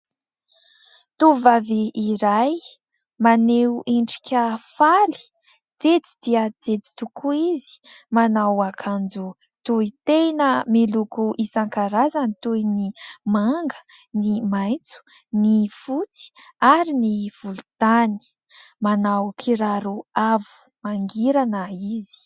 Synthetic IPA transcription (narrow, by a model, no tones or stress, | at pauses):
t̪uvaviːɾaj | maneuʔiɳɖ͡ʐi̥kʲafali̥ | d͡zed͡zi̥d̪iəd͡zed͡zi̥t̪ukʰuizi̥ | manawakʰand͡zu | t̪uit̪enəmilukuʔisaŋkaɾazanit̪ujnimaŋɡə̥ | nimajt͡su̥ | nifut͡si̥ | aɾiniv̥ulud̪̥ani̥ | manawkʰiɾaɾuavu̥ | maŋɡiɾanəizi̥